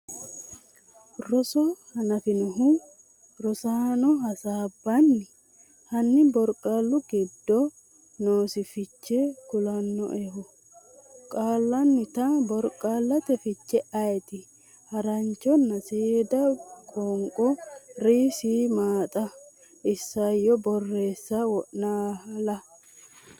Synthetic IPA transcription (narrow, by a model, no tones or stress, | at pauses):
ɾɔsɔhɐnɐfɪnʊɦu | ɾɔsaːnɔɦɐsaːbːɐnːɪ | hɐnːɪbɔɾkʼaːlːʊɡɪd̪ːɔ | noːsɪfɪt͡ʃːɛɡʊlɐnːɔ̰ʔɛhʊ | kʼaːlːɐnːɪt̪ɐbɔɾkʼːaːlːɐt̪ɛfɪt͡ʃːɛʔɐjɛt̪ɪ | hɐɾɐnt͡ʃːɔnːɐseːd̪ɐkʼɔːŋkʼɔɾiːsiːmaːt̪ʼɐ | ʔɪsːɐjːɔbɔrːe̞ːsːɐwɔʔnaːhɐlɐ